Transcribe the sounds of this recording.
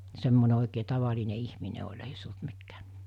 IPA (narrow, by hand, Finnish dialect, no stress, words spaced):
semːone oˑikeː tɑʋɑline ihmine olʲ ei se olt mikːæː